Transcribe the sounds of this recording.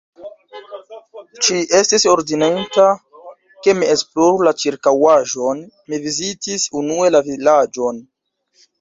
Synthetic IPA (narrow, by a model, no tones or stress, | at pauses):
t͡ʃiʔe̞stiso̞ɾdinenta | ke̞mie̞sploɾulat͡ʃiɾkawaʒo̞n | mivizitisunue̞lavilad͡ʒo̞n